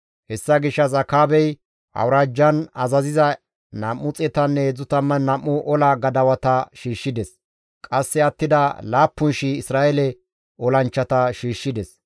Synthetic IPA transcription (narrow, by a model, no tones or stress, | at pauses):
hɛsːɐɡɪʃːɐzɐkaːbɛj | ʔɐ̰wɾaːd͡ʒːɐnɐzɐzɪzɐ | nɐmːʊt͡sʼɛt̪ɐnːɛɛd͡zʊt̪ɐmːɐnɐmːʊʔɔlɐɡɐd̪ɐwɐt̪ɐʃiːʃːɪd̪ɛs | kʼɐsːɛɐt̪ːɪd̪ɐlaːpːʊnʃiɪsɾaːʔɛlɛ | ɔlɐnt͡ʃːɐt̪ɐʃiːʃːɪd̪ɛs